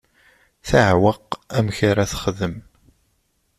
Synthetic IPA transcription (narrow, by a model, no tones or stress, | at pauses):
θaʕwəqæmçaɾaθəχðəm